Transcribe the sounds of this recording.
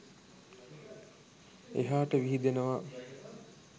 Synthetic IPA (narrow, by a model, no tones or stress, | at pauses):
ḛɦaːʈəʋiɦid̪enəʋa